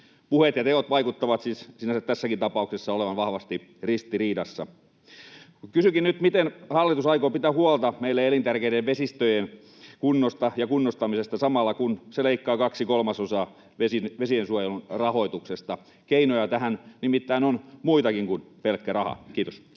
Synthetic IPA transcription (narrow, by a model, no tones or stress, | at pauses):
puhet̪jɑt̪eot̪ʋɑikut̪ːɑʋɑt̪sissinæset̪æsːækint̪ɑpɑˑuksesːɑoleʋɑnʋɑhʋɑst̪i | rist̪iriːdɑsːɑ̰ | kysykinnyt̪mit̪enhɑlːit̪usɑikopit̪æhuolt̪ɑmeilːeelint̪ærkeiɾeʋʋesist̪øjen | kunːost̪ɑjɑkunːost̪ɑmisest̪ɑsɑmɑlːɑkunseleikːɑːkɑksikolmɑsosɑː | ʋesinʋesiensuojelunrɑho̞it̪uksest̪ɑ | keinojɑt̪æhænnimit̪ːæinonmuit̪ɑkiŋkunpelkːærɑhɑ̰kiːt̪os